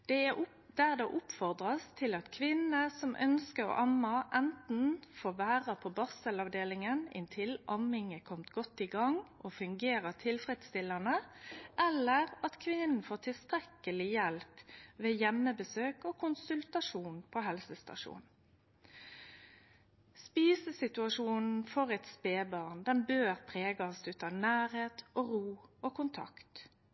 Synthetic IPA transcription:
d̪̥ɛæ | d̪̥æʁd̪ɛʔʊpfɔʁd̪ʁɑst̪ʰɪlɑt̪kʰʋɪnːəsɔmʔœ̰nskəɾɔ̰ʔɑmːɑʔɛnt̪n̩foːʋæːʁəpʰɔbɑsəlɑʋd̪eːlɪŋənɪ̰nt̪ʰɪlʔɑmɪŋəkʰɔmt̪ɡɔt̪ːɪɡɑŋʔɔːfʉŋɡeːʁəʁt̪ʰɪlfʁɛt̪st̪ɪlːənəʔɛlːəʁɑt̪kʰʋɪnən̩foːt̪ʰɪlst̪ʁɛkəlɪjɛlpʋeːjɛmːəbəsøːkoːkʰʊnsʉlt̪ɑʂuːnpʰoɦɛlsəst̪ɑ̰ʂṵːnn̩ | spiːsəsɪt̪ʉɑʃuːnn̩fɔʁɛt̪speːbɑːʁnd̪ɛnbøːʁpʰʁeːɡɑsd̪ʉːt̪ɑnæːʁheːt̪ʔoːʁuːoːkʊnt̪ʰɑ̰kt̪

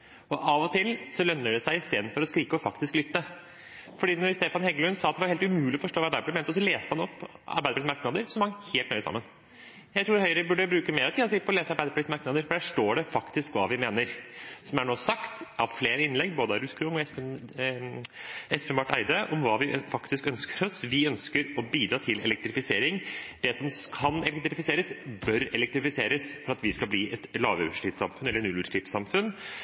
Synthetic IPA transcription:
ɔʔɑʋɔt̪ʰɪlsɔlœnːəɖɛsæɪɪst̪eːd̪nfɔɾɔskɾiːkəɔfɑkt̪ɪsklʏt̪ːə | fɔɖiːnɔɾst̪eːfɑnhɛɡlʉnsɑːt̪d̪ɛʋɑɾheːlt̪ʉmʉːlɪɔfɔʂʈoːʋɑɾbæɪəblɪmeːnɔs̬ɔleːst̪əhɑnɔpː | ɑ̰ɾbæɪd̪plɪsmɑɾknɑd̪əɾsɔmɑŋheːlt̪nœʏəsɑ̰mːən | jæɪt̪ʰɾuːɾhœʏɾəbʉɖːəbɾʉːkəmeːɾɔt̪ʰiːd̪ɔsiːpɔleːsəɑɾbæɪd̪əpʰlɪsmɑɾknɑd̪əɾfɔɖæʂʈoːɖɛfɑkt̪ɪskʋɑ̰ːʋɪmeːnəɾsɔmæɳoːsɑkt̪ɑʋfleːɾəɪnlɛɡboːd̪əɑɾʉskʰɾʊŋɔɛspɛ | ɛspʰɛmʋɑʈːæ̰ɪd̪əʔɔmʋɑːʋɪfɑkt̪ɪskœnskʰəɾɔsʋɪœnskəɾɔbiːd̪ɾɑːt̪ʰɪlɛ̰lɛk̚t̪ɾɪfɪseːɾɪŋd̪ɛsɔmkʰɑnɛlɛkt̪ɾɪfɪseːɾəsbœɾɛlɛk̚t̪ɾɪfɪseːɾəsfɔɾɑt̪ʋɪskɑlbliːʔɛt̪lɑːʋəʉʂʈiːsɑ̰mfʉnɛlːəɳʉlʉʂʈɪt̪sɑmfʉn

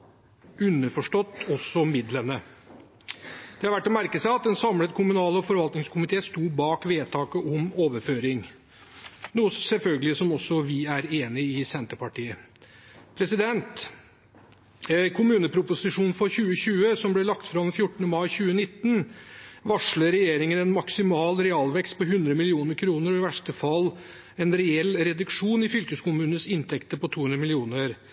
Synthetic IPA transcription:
ʉnːəfɔʂʈɔt̪ːɔsːɔmɪd̪lənə | d̪̥ɛhɑɾʋæʈːɔmæɾkəsæɪɑt̪̚d̪ɛnsɑmlət̪kʰʊmʉnɑːləɔfɔɾʋɑlt̪nɪŋskʰʊmɪt̪ʰeːst̪uːbɑːkʋeːt̪ʰɑːkəʔɔmoːʋəɾføːɾɪŋ | nuːəsɛlfœlɡəlɪsɔmɔsːɔʋɪæɾeːnɪɪsɛnt̪əpɑʈiːə | pʰɾɛsɪd̪ɛnt̪ | kʰʊmʉːnəpʰɾʊpʊsɪʂuːnfɔɾçʉːəɕʉːəsɔmblɛlɑkt̪fɾɑʋɛnfjʊʈːəɳ̩əmɑɪçʉːənɪt̪ːn̩ʋɑʂɭəɾɛjeːɾɪŋənɛnmɑksɪmɑːlɾɛɑlʋɛkst̪̚pʰɔɦʉnd̪ɾəmɪlɪuːnəɾkʰɾuːnəɾɔɪʋæʂʈəfɑlː | ɛnɾɛɛlɾɛd̪ʉkʂuːnɪfʏlkəskʊmʉːnsɪnt̪ʰɛkt̪əpɔt̪ʰuːhʉnd̪ɾəmɪlɪuːnəɾ

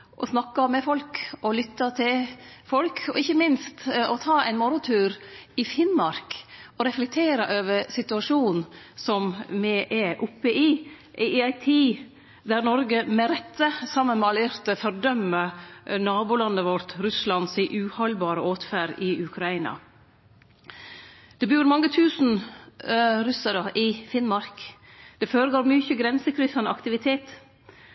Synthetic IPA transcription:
ʔɔsnɑkːɑmɛfɔlkɔlʏt̪ːɑt̪ʰɪlfɔlkʰɔ̰ɪçːəmɪnst̪ɔt̪ʰɑːæ̰ɪnmɔɾʊt̪ʰʉːɾɪfɪnmɑɾkɔɾɛflɛk̚t̪ʰeːɾɑʔøːʋəɾsɪt̪ʉɑʂuːn̩ | sɔmmɛʔɛʔʊpːəʔɪ | ɪæɪt̪ʰiː | d̪æɾnɔɾɡəmɛɾɛt̪ːəsɑmːənmɛɑlɪɾt̪əfɔɾd̪œmːənɑːbuːlɑnːəʋɔɾt̪ɾʉslɑnsɪʔʉːhɔlbɑːɾəoːt̪fæːɾɪʉkʰɾɑiːnɑ̰ | d̪̥ɛbʉːɾmɑŋːət̪ʰʉːsn̩ | ɾʉsəɾəʔɪfɪnmɑɾk | d̪̥ɛføːɾəɡoːɾmyçəɡɾɛnsəkʰɾʏsɑnəɑ̰kt̪ɪʋɪt̪ʰeːt̪

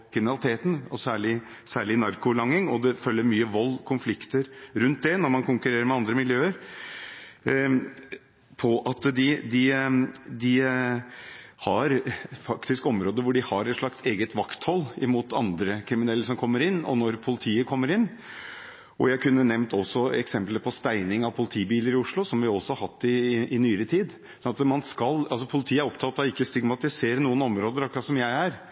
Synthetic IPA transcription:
kʰɾɪmɪnɑlɪt̪ʰeːt̪n̩ɔsæːɭɪ | sæːɭɪnɑɾkʊlɑŋːɪŋɔd̪ɛfœlːəɾmyːəʋɔlːkʰʊnflɪkt̪əɾɾʉnt̪̚d̪ɛnɔɾmɑnkʊŋkʉɾeːɾəɾmɛɑnd̪ɾəmɪljøːəɾ | pʰɔʔɑt̪d̪ɪd̪ɪ | d̪ɪ | hɑɾfɑkt̪ɪskɔmɾoːd̪əɾʋʊɖɪhɑɾɛt̪ʂɭɑkseːɡət̪ʋɑkt̪hɔlːɪmuːt̪ʰɑ̰nd̪ɾəkʰɾɪmɪnɛlːəsɔmkʰɔmːəɾɪnːɔ̰nɔɾpʰʊlɪt̪ʰiːəkʰɔmːəɾɪnː | ʔɔ̰jæɪkʰʉnːənɛʋnt̪ɔsɔɛ̰ksɛmpləpʰɔst̪æɪnɪŋɑʋpʰʊlɪt̪ʰiːbiːləɾɪʊʂɭʊsɔmʋɪɔsɔhɑɾhɑt̪ːɪɪnyːəɾət̪ʰiːd̪ | sɔnɑt̪mɑnskɑlɑls̬ɔpʰʊlɪt̪ʰiːəæɾɔpt̪ʰɑt̪ːɑɪkːəst̪ɪɡmɑt̪ɪseːɾnuːənɔmɾoːd̪əɾɔkɾɑsɔmjæɪæɾ

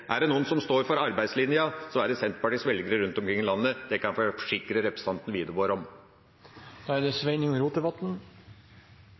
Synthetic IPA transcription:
ʔæɖɛnuːənsɔmst̪oːɾfɔɾɑɾbæɪd̪slɪnɪəsɔmæɖɛsɛnt̪pɑʈiːsʋɛlɡəɾəɾʉnt̪ɔmkɾɪŋːlɑnːəd̪̥ɛkɑnfɔfɔ̥ʂɪkːɾəɾɛpɾɛsə̥ɑnt̪n̩ʋiːd̪əʋoːɾɔm | d̪̥ɑæd̪ɛsʋeɪnɪŋɾuːt̪əʋɑt̪n̩

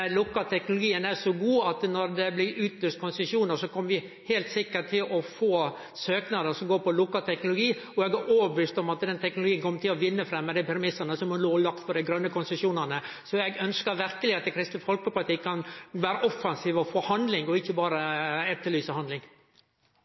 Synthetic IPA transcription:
lʊkːɑt̪ʰɛknʊlʊɡiːənæʂɔɡuːɑt̪nɔɾd̪ɛblɪɾʉːt̪løːst̪kʰʊnsɛʂjuːnəɾʂɔkʰɔmːəʋɪ | hɛlt̪sɪkːəʈ̪ʰɪlʔɔfoː | søːknɑd̪əsɔmɡoːɾpɔlʊkːɑlt̪ʰɛknʊlʊɡiːɔɛɡæɾʔoːbəʋiːst̪ɔmɑt̪d̪ɛnt̪ʰɛknʊlʊɡiːənkʰɔmːəʈ̪ʰɪlɔʋɪnːəfɾɛmːəd̪ɛpʰɛɾmɪsːənəsɔmɔloːlɑkt̪pʰɔd̪ɛɪɡɾœnːəkʊnsɛʂuːnənə | sɔɛɡœnskəɾʋɪɾkəlɪɑt̪̚d̪ɛkʰɾɪst̪nəfɔlkəpʊlɪt̪ɪkʰːɑnʋæːɾəʔɔfːɑnsiːʋɔfoːhɑnd̪lɪŋɔɪçːəbɑːɾəɛt̪ːəɭyːsəhɑnlɪŋ

